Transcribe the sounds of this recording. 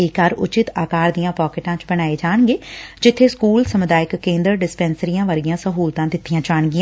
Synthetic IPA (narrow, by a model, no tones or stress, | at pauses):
ekaɾʊ̰t͡ʃɪt̪aːkaːɾd̪ijãːpaːkɪʈãːt͡ʃbəɽ̃aːeːd͡ʒaːɳɡeːd͡ʒɪt̪ʰːeːskuːlsəmʊd̪aːɪkːẽːnd̪əɾɖɪspɛːnsəɾijãːʋəɾijãːsəɦuːlt̪ãːt̪ɪt̪ʰːɪjãːt͡ʃaːɳɡɪãː